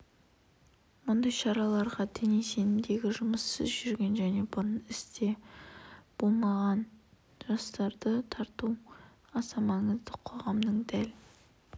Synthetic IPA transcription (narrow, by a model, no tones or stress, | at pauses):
mʊnd̪ɑjʃɑɾɑlˠɑɾʁɑd̪enise̞nɪmd̪e̞ɡʲɪʒʊməsːəzʒʏɾɡʲe̞nʒæne̞bʊɾənɪst̪e̞ | b̥o̞lˠmɑʁɑn | ʒɑst̪ɑɾd̪ət̪ʰɑɾt̪u | ɑsɑmɑɴəzd̪əqʰo̞ʁɑmd̪əɴd̪æl